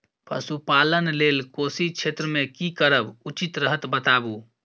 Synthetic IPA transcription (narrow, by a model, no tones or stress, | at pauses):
pə̰supalənlelkosit͡ʃʰet̪ɾəmekikəɾəbut͡ʃit̪ɾəɦət̪bət̪abu